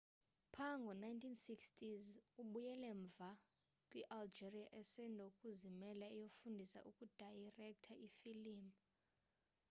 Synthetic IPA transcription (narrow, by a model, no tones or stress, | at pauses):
pʰaŋɡʱɔnajntʰinsikstʰʼizuɓujɛlɛɱb̪vʱa | kʼwiʔald͡ʒeriaʔɛsɛndʱokʼuzimɛlaijofundʱisa̰ʔukʼud̥ʱajrɛk̚tʰaʔifiliːmu